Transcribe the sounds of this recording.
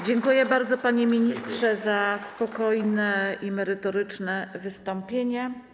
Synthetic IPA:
d͡ʑɛŋkujɛbaɾd̪zɔpaɲemʲiɲist̪ʂɛzaspɔkɔjnɛimɛɾɘt̪ɔɾɘt͡ʂnɛvɘst̪ɔmpʲjeɲɛ

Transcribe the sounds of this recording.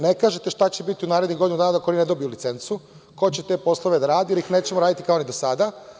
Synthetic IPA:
ne̞kaːʒet̪e̞ʃt̪at͡ɕe̞bit̪iunaːɾed̪niɡo̞d̪inud̪aːnaakonined̪o̞bijulit̪se̞nt̪su | ko̞t͡ɕe̞t̪e̞ːpo̞slˠoʋe̞d̪aɾaːd̪ijeɾixneːt͡ɕemoɾaːd̪it̪ikaonid̪o̞sad̪a

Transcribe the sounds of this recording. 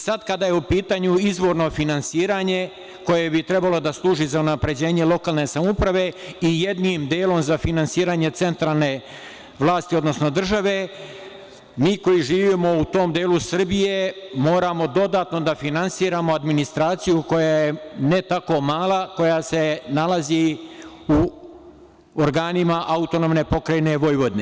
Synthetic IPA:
sad̪kad̪aːjeupiːt̪aːɲuizʋo̞ːɾno̞finansiːɾaːɲe̞ | ko̞je̞bit̪ɾe̞balod̪aslˠuːʒizaunapɾe̞d͡ʑe̞ːɲe̞lˠo̞kaːlˠne̞ːsamupɾaʋe̞ijed̪nimd̪eːlo̞mzafinansiːɾaːɲe̞t̪se̞nt̪ɾaːlˠne̞ | ʋlˠaːst̪io̞d̪no̞snod̪r̩ʒaʋe̞ | miːko̞jiʒiːʋiːmo̞ut̪o̞ːmd̪eːlusr̩bije̞mo̞ːɾamo̞d̪o̞d̪aːt̪no̞d̪afinansiːɾaːmo̞ad̪minist̪ɾaːt̪sijuko̞jaːjenet̪ako̞maːlˠako̞jaːse̞nalazi | u | oɾɡaːnimaʔaut̪o̞nomne̞po̞kɾajne̞ʋo̞jʋo̞d̪ne

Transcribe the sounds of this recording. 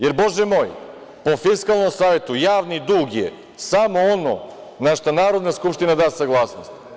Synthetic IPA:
jeɾbo̞ʒɛmo̞ːj | po̞fiskalˠno̞msaːʋe̞t̪ujaːʋnid̪uːɡjḛ | samo̞ono̰ | naʃt̪anaːɾo̞d̪naskupʃt̪inad̪aːsaɡlˠaːsnost̪

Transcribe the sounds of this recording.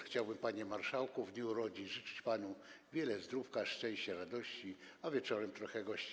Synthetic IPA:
xt͡ɕawbɘmpaɲɛmaɾʂawkuvɲɛuɾɔd͡ʑiʐɨt͡ʂɘ̥t͡ɕpanuvʲjɛlɛzd̪ɾufkaʂt͡ʂɛ̃w̃ɕt͡ɕɛɾad̪ɔɕt͡ɕiavʲjɛt͡ʂɔɾɛmt̪ɾɔxɛɡɔɕt͡ɕi

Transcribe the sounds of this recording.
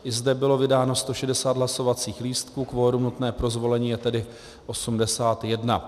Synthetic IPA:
ʔɪzdɛbɪlo̞vɪdaːno̞st̪o̞ʃɛdɛsaːd̪ɦlaso̞vat͡siːxliːst̪kuːkvo̞ːɾumnut̪nɛːpɾo̞zvo̞lɛɲiːjɛt̪ɛdɪ | ʔo̞sumdɛsaːt̪jɛdna

